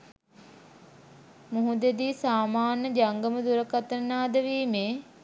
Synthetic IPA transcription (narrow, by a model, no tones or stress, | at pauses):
muɦud̪ed̪iːsaːmaːnːəd͡ʒaŋɡəməd̪uɾəkat̪ənːaːd̪əʋiːmeː